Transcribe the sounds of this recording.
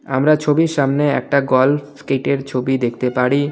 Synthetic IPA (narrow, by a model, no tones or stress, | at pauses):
a̰mɾat͡ɕʰobiɾʃamneɛ̰k̚ʈaɡɔlfkeʈeɾt͡ɕʰobid̪ekʰt̪epaɽi